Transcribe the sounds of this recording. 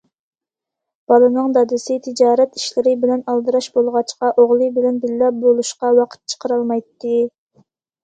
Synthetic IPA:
b̥ɑlˠɨnɨŋd̪ɑd̪ɨsɪt̪ʰɪd͡ʒɑːɾɛt̪i̥ʃlɪɾɪbɪlɛnɑlˠd̪ɨɾɑʃbolˠʁɑt͡ʃqɑʔoʁlˠɨbɪlɛnbɪllɛp̚bolˠuʃqɑwɑqʰə̥t̪̚t͡ʃʰə̥qʰəɾɑlˠmɑjt̪ːɨ

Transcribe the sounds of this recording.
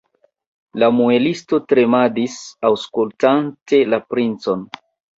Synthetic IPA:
lamue̞listo̞tɾe̞madisawskultante̞lapɾint͡so̞n

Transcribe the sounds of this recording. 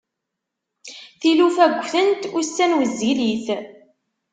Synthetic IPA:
θilufæɡʷːθənt̪ʊɾsːænwəzːiliθ

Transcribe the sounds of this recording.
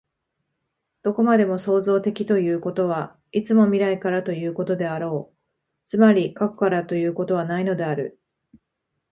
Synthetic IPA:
d̪̥o̞ko̞mad̪e̞mo̞so̞ːzo̞ːt̪e̞kʲi̥t̪o̞jɯ̟ːko̞t̪o̞β̞a | it͡sɨmo̞mʲiɾaikaɾat̪o̞jɯ̟ːko̞t̪o̞d̪e̞aɾo̞ː | t͡sɨmaɾʲikako̞kaɾat̪o̞jɯ̟ːko̞t̪o̞β̞anaino̞d̪e̞aɾɯ̟

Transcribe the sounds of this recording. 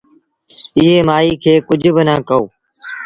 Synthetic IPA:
ɪɦeːmaːiːkʰeːkʊd͡ʒʱbɪnãːkəo̰ː

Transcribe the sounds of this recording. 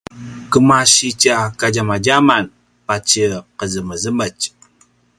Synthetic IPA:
kəmaʃit͡ʃakad͡ʒamad͡ʒaman | pat͡ʃəqəzəməzəmət͡ʃ

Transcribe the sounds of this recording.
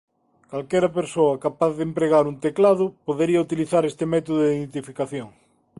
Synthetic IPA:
kalkɛɾɐpeɾsoɐkapaθðempɾeɣaɾunt̪eklaðʊpoðeɾiɐut̪iliθaɾest̪emɛt̪oðoðiððent̪̬ifikaθjoŋ

